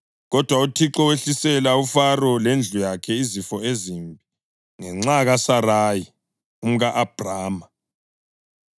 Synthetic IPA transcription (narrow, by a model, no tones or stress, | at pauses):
ɣɔd̥ʱwautʰiǁɔweɬisɛlaufarɔlend͡ɮʱujakʰɛizifɔezimbʱi | ŋɛŋ͡ǁaɣasaraːji | um̩ɣaʔab̥ʱraːma